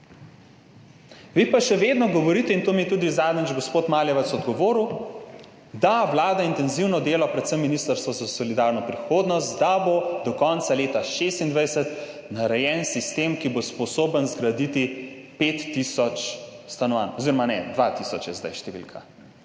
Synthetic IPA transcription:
ʋipaʃɛʋed̪nɔɡɔʋɔɾiːt̪ɛint̪oːmit̪uːd̪izaːd̪nəd͡ʒɡospoːt̪maljɛʋɛt̪sɔd̪ɡɔʋoːɾu | d̪aʋlaːd̪aint̪ɛnziwnɔd̪eːlɔpɾɛt̪səmːinist̪əɾst̪ʋɔzasɔlid̪aɾnɔpɾixoːd̪nɔst̪d̪abod̪ɔkɔnt̪saleːt̪aʃest̪ind̪ʋajsət̪ | naɾɛjɛnsist̪emkibospɔsoːbənzɡɾad̪it̪i | pet̪ːisɔt͡ʃst̪anɔʋanɔziɾɔmanɛd̪ʋat̪isɔt͡ʃjɛzd̪a̰jʃt̪ɛʋḭlkʰa̰

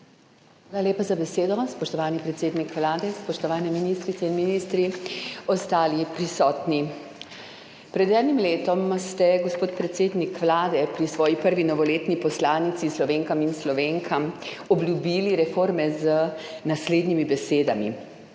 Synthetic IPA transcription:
xʋaːlalʲeːpazabɛseːd̪ɔspɔʃt̪ɔʋaːnipɾɛt̪seːd̪nikʋlaːd̪ɛspɔʃt̪ɔʋaːnɛminist̪ɾit̪sɛinminiːst̪ɾiɔst̪aːlipɾisɔːt̪ni | pɾɛd̪ɛːd̪nimleːt̪ɔmst̪ɛɡɔspoːt̪pɾɛt̪seːd̪nikʋlaːd̪ɛpɾisʋɔːjipəɾʋinɔʋɔleːt̪nipɔslaːnit̪sislɔʋeːŋkaminslɔʋeːŋkʰam | ɔbljubiːliɾɛfoːɾmɛzənasleːd̪nimibɛseːd̪amḭ

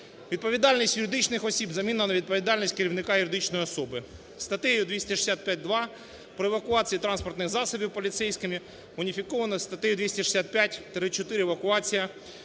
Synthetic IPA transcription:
ʋʲid̪̚pɔʋʲid̪ɑlʲnʲisʲtʲjʊɾɪd̪ɪt͡ʃnɪxɔsʲibzɐmʲinɐnɐʋʲid̪̚pɔʋʲid̪ɑlʲnʲisʲtʲkeɾʲiwnɪkɑjʊɾʲɪd̪ɪt͡ʃnɔjiɔsɔbɪ | st̪ɐt̪ɛjʊd̪ʋʲisʲtʲɛʃɪ̥sʲat̪̚pʲat̚ʲd̪ʋɑ | pɾɔeʋɐkʊɑt͡sʲijit̪ɾɑnspɔrt̪nɪxzɑsɔbʲiwpɔlʲit̪sɛjsʲkɪmʲi | ʊnʲifʲikɔʋɐnɐst̪ɐt̪ɛjʊd̪ʲʋisʲtʲɪʃɨ̥sʲat̪̚pʲjatʲt̪ɾɪt͡ʃɔt̪ɪɾʲɪɛʋɐkʊɑt͡sʲijɐ

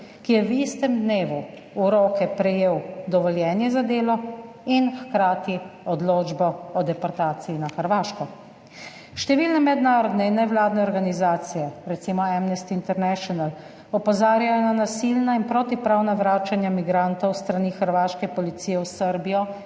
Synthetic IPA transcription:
kijɛwist̪ɛmd̪neːʋu | uɾoːkɛpɾɛjeːwd̪ɔʋɔljɛːnjɛzad̪eːlɔ | inxkɾaːt̪iɔd̪loːd͡ʒbɔɔd̪ɛpɔɾt̪aːt̪sijinaxəɾʋaːʃkɔ | ʃt̪ɛʋiːlnɛmɛd̪naːɾɔd̪nɛinːɛʋlaːd̪nɛɔɾɡanizaːt̪sijɛɾɛt̪simɔamnɛst̪iːnt̪ɛɾnɛʃɔnal | ɔpɔzaːɾjajɔnanasilnainpɾot̪ipɾaːwnaʋɾaːt͡ʃanjamiɡɾant̪ɔwst̪ɾaniːxəɾʋaːʃkɛpɔlit̪siːjɛwsəɾbijɔ

